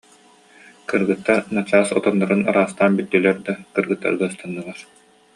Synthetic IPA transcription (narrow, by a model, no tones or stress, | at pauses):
kɯɾɡɯt̪ːaɾnat͡ɕaːsɔt̪ɔnːɔɾɯna̰ɾaːst̪aːnbit̪ːylɛɾd̪akɯɾɡɯt̪ːa̰ɾɡ̪ɯːst̪anːɯlˠaɾ